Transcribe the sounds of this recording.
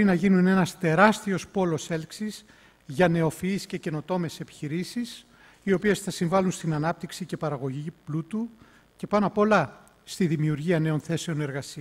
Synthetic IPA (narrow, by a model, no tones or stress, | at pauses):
oɾinɐʝinune̞nɐst̪e̞ɾɐst̪io̞spo̞lo̞se̞lksiz̥ | ʝɐne̞o̞fiːsce̞ce̞no̞t̪o̞me̞se̞pi̥çiɾisis | io̞pie̞sθɐsiɱvɐlunst̪inɐnɐp̚t̪iksice̞pɐɾɐɣo̞ʝiplut̪u | ce̞pɐnɐpo̞lɐ | st̪iðimiuɾʝiɐne̞o̞nθe̞se̞o̞ne̞ɾɣɐsiɐ